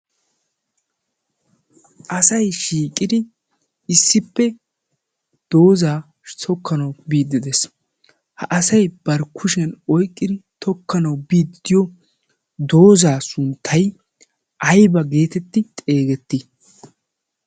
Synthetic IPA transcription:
ʔɐsɐjʃiːkʼːɪd̪ɪ | ɪsːɪpːɛ | d̪̥o̞ːzaː | sɔkːɐnɐwbiːd̪ːɪd̪ɛs | hɐʔɐsɐjb̥ɐɾkʰʊʃɐnɔjkʼːɪd̪ɪt̪ʰɔkːɐnɐwbiːd̪ɪd̪̥ɪjɔ | d̪o̞ːzaːsʊnt̪ʰːɐj | ʔɐjbɐɡe̞ːt̪ɛt̪ːɪt̪ʼe̞ːɡɛt̪ːɪ

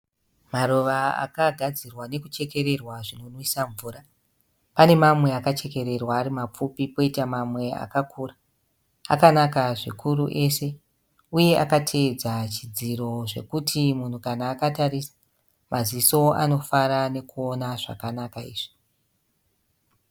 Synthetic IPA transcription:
maɾoʋaa̰kaɡʱad͡zirwane̞kut͡ʃe̞ke̞ɾe̞rwaʐino̞nwisaɱvuːɾa | pane̞mamwe̞akat͡ʃe̞ke̞ɾe̞rwaːɾimap͡fupipo̞itamamwe̞a̰kakʰuːra | a̰kanakaʐikʰuɾuʔe̞se̞ | uje̞ʔa̰katʰe̞ːd͡zat͡ʃid͡ziɾo̞ʐe̞̰kutʰimun̤ukanaːkataɾisḁ | mʔaziso̞a̰no̞faɾane̞kuo̞naʐa̰kanakaḭːʐ̥i̥

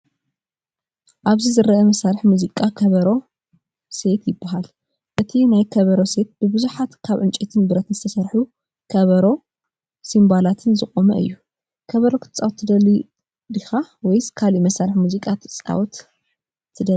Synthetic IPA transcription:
ʔaβzizɨɾɐʔɐmɐsaɾħmuzikʼakʰɐβɐɾo̞ | se̞t̪jɪbːaɦal | ʔɨt̪ʰinajkʰɐβɐɾo̞se̞t̪̚b̥ɨbɨzuħat̪kʰaβʕɨnt͡ʃʼɛt̪ʰɨnbɨɾɐt̪nzɨ̥t̪ʰɐsɐɾħu | kʰɐβɐɾo̞ | simbalat̪ʰɨnzɨχʼomɐ̰ʔɨ̰jːu | kʰɐβɐɾo̞kʰt̪ʰt͡sʼawt̪ʰːɨd̪ɐli | d̪ixawɔjzkʰalimɐsaɾħmuzikʼat̪ʰɨt͡sʼa̰wt̪ʰː | ɨd̪ɐ

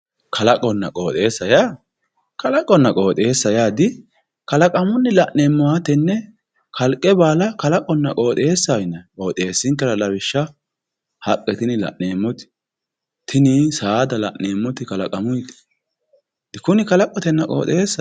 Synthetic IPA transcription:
kʰɐlɐkʼɔnːɐ̰kʼo̞ːt̪ʼe̞ːsːɐjaː | kɐlɐkʼːɔnːɐkʼo̞ːt̪ʼeːsːɐjaːd̪ɪ | kɐlɐkʼɐmʊnːɛlɐʔneːmːɔwat̪ɛnːɛ | kʰɐlkʼːɛbaːlɐkɐlɐkʼɔnːɐkʼo̞ːt̪ʼeːsːajɪnːɐkʼo̞ːt̪ʼe̞ːsːɪŋkːɐlɐlɐβɪʃːɐ | hɐkʼːɛt̪ɪnɪlɐ̰ʔne̞ːmːɔt̪ɪ̥ | t̪ʰɪnɪsaːd̪ɐlɐʔneːmːɔt̪ɪkɐlɐkʼɐmʊjt̪ɪ̥ | d̪ɪkʊnɪkɐlɐkʼːɔt̪ɛnːɐkʼo̰ːt̪ʼeːsːɐ

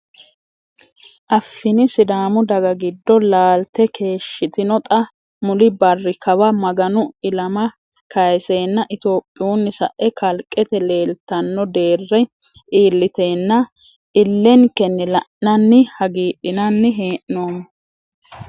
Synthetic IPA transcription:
ʔɐfːɪnɪsɪd̪aːmʊd̪ɐɡɐɡɪd̪ːɔlaːlt̪ːɛkʰe̞ːʃːɪt̪ɪnɔt̪ʼɐ | mʊlɪbɐrːɪkɐwɐmɐɡɐnʊɪlɐmɐ | kɐjseːnːɐʔɪt̪o̞ːpʼːɪjuːnːɪsɐʔɛkɐlkʼːɛt̪ɛle̞ːlt̪ːɐnːɔd̪e̞ːrːɛ | ʔiːlːɪt̪eːnːɐ | ɪlːɛŋkɛnːɛlɐʔnɐnːɪhɐɡiːɗɪnɐnːɪɦeːʔnoːmɐ

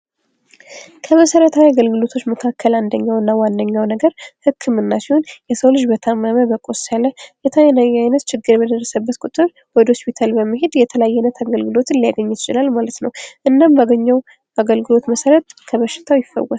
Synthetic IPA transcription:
kʰəməsəɾət̪ʰawiaɡəlɡɨlo̞t̪ʰot͡ʃːməkʰakʰːəland̪əɲːawɨnːawand̪əɲːawnəɡəɾhɨkʰːɨmɨnːasihonjɛsəwlɨd͡ʒbət̪ʰamːaməbəkʼosələjɛt̪ʰajnajajnət̪t͡ʃʰɪɡːɨɾbəd̪ərːəsəbːət̪kʼut̪ʼɨɾ | wɔd̪hospit̪ʰalbəmːɨɦed̪jɛt̪ʰəlajːɛnːət̪ʰaɡəlɡɨlo̞t̪ɨnlijaɡəɲːut̪ɪt͡ʃɪlalmalət̪nəwʔɨnːambaɡəɲːaw | aɡəlɡɨlo̞t̪məsəɾət̪kʰəβəʃːɪ̥t̪ʰawjɪfːə̰wɔ

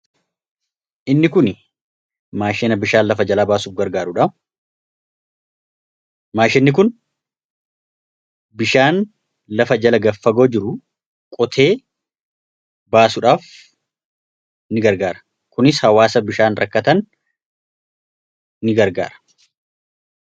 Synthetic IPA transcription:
ʔɪnːɪkʊn | maːʃɛːnɐbɪʃaːnlɐfɐd͡ʒɐlaːbaːsuːfɡɐɾɡaːɾʊᶑɐ | maːʃɛnːɪkʊn | bɪʃaːn | lɐfɐd͡ʒɐlɐɡɐfːɐɡo̞ːd͡ʒɪɾʊ | kʼɔt̪ʰe̞ː | baːsʊᶑaːf | ɪɡɐɾɡaːɾɐ̥ | kʊnɪshɐwaːsɐbɪʃaːnɾʔɐ̰kːɐt̪ɐn | ɪɡɐɾɡa̰ːɾɐ̥

